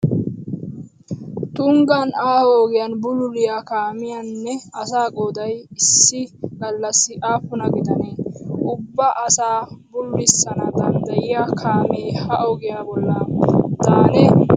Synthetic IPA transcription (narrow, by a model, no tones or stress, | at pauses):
t̪ʊŋɡɐnaːhɔɔɡɪjanbʊlʊlɪjaːkaːmɪjanːɛɐsaːkʼoːd̪ɐjɪsːɪɡ̥ɐlːɐsːɪʔaːpʊnɐɡɪd̪ɐneːʊbːɐʔɐsaːbʊlːɪsːɐnɐd̪ɐnd̪ɐjɪjakʰaːmeːhɐʔɔɡɪjaːbɔlːɐt̪aːnɛ